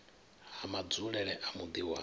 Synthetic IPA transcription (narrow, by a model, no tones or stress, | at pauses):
ɦamad͡zuɺɛɺɛʔamud̪iwa